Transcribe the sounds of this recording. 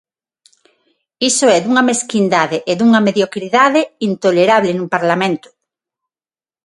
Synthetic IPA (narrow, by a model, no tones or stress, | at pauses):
isoɛðuŋɐmeskind̪aðeʔeðuŋɐmeðjokɾiðaðeint̪oleɾaβlenumpaɾlamẽnt̪ʊ̥